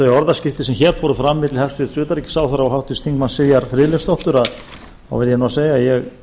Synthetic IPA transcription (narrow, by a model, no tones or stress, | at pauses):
θœɥjɔɾðascɪft̪ɪsɛmçɛːɾ̥fɔːɾʏfɾamːɪt̪lhɛfsvɪsʏːt̪aɾicːɪ̥saːwθaɾaɔɦawht̪ɪst̪θiŋkmansɪjaɾ̥fɾɪːlɪst̪ɔwht̪ʏɾað | a̰wvɪɾjɛnuaseːjajɛɣ